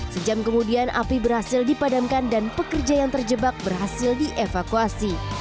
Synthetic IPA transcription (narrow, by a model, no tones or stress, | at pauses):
səd͡ʒamkəmudianʔa̰pibərhasɪldipadamkandanpəkərd͡ʒajaŋt̪ərd͡ʒəbak̚bərɦasɪldiʔefakuasi